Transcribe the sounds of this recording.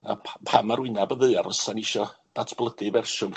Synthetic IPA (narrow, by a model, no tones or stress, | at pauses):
apʰamaɾwɪɨnabəðɨɨarəsanɪʃɔd̥atʰb̥lˠədɨvɛrʃʊŋ